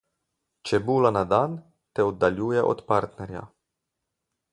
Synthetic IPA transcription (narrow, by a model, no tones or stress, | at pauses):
t͡ʃɛbuːlanad̪an | t̪ɛɔd̪ːaljuːjɛʔɔ̰t̪paɾt̪nɛɾja̰